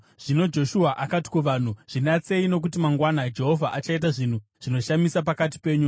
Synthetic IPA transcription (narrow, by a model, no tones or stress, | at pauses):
ʐ̥ino̞d͡ʒo̞ʃuɦaʔakati̥kuʋaːn̤uʐ̥inat͡se̞ino̞k̬ut̬imaŋɡwanad͡ʒe̞ɦo̞vʱaʔat͡ʃait̬aʐin̤uʐ̥ino̞ʃamisapakat̬i̥pe̞ːɲu